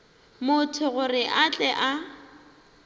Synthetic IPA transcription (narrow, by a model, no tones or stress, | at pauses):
mʊtʰʊɣʊrɪʔat͡ɬʼɛʔa